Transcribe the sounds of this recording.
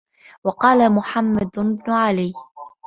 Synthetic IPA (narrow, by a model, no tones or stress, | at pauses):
wɑqɑːlamʊħamːad̪bnʊʕalɪj